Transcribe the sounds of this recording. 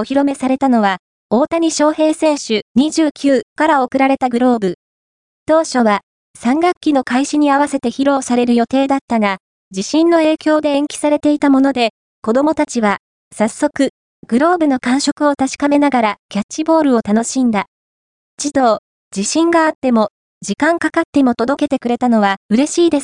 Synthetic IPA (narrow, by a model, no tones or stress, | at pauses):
o̞çiɾo̞me̞saɾe̞t̪ano̞βa | oːt̪aɲ̟iɕo̞ːhe̞ːsẽ̞ɰ̃ɕɨɲ̟iʑɨːkʲɨːkaɾao̞kɯ̟ɾaɾe̞t̪aɡɯ̟ɾo̞ːbɯ̟ | t̪o̞ːɕo̞βa | sãŋɡakʲːino̞kaiɕiɲ̟iaβ̞ase̞t̪e̞çiɾo̞ːsaɾe̞ɾɯ̟jo̞t̪e̞ːd̪at̪ːaɡa | d͡ʑiɕĩnːo̞e̞ːkʲo̞ːd̪e̞ẽŋkʲi̥saɾe̞t̪e̞it̪amo̞no̞d̪e̞ | ko̞d̪o̞mo̞t̪at͡ɕiβa | sasːo̞kɯ̟ | ɡ̥ɯ̟ɾo̞ːbɯ̟no̞kãɰ̃ɕo̞kɯ̟o̞t̪aɕi̥kame̞naɡaɾakʲat͡ɕːibo̞ːɾɯ̟o̞t̪ano̞ɕĩnd̪a | it͡ɕid̪o̞ː | d͡ʑiɕĩŋɡaːt̪ːe̞mo̞ | d͡ʑikãŋkakat̪ːe̞mo̞t̪o̞d̪o̞ke̞t̪e̞kɯ̟ɾe̞t̪ano̞β̞aɯ̟ɾe̞ɕiːd̪e̞sɨ̥